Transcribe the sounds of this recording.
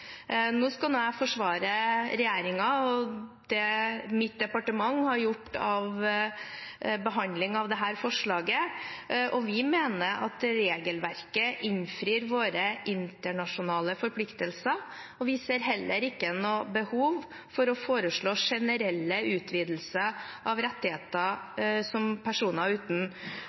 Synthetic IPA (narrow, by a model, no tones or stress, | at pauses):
noːskɑlnuːæfɔʂʋɑːɾəɾɛjeːɾɪŋɑɔd̪̥ɛmɪt̪̚d̪ɛpɑʈəmɑŋːhɑɾjʊʈːɑʋ | bəɦɑnd̪lɪŋɑʋd̪ɛɦæːɾfɔʂɭɑːɡə | ʔɔʋɪmeːnəɾʔɑ̰t̪ɾeːɡəlʋæɾkəʔɪnfɾiːɾʋoːɾəʔɪnt̪əɳɑʂʊnɑːləfɔɾpʰlɪkt̪əlsəɾ | ɔʋɪseːɾɦɛlːəɾɪkːənɔbəhuːʋ | fɔɾɔfoːɾəʂɭoːʂɛnəɾɛlːəʉːt̪ʰʋiːd̪l̩səʔɑʋɾɛt̪ːɪheːt̪əsɔmpʰæʂuːnəʉːt̪n̩